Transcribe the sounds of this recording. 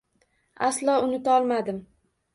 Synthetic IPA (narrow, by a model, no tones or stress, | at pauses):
aslˠɒʊnɪt̪ʰaɒlˠmad̪ɪm